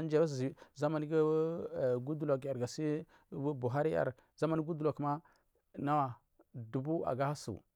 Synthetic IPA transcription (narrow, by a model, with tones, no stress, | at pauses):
n˦d͡ʒa˦ba˦s̬i˨˦za˦ma˨ni˦ɡa˦˨ɡu˦du˦la˨ka˨ɾɡa˨si˦ | bu˨ɦa˦ɾi˦ja̰˨ɾ | za˦ma˦ni˦ɡu˦du˨la˨kma˦ | na˦wa˨ | du˨bu˦a̰˨ɡa˦ha˦sṵ˨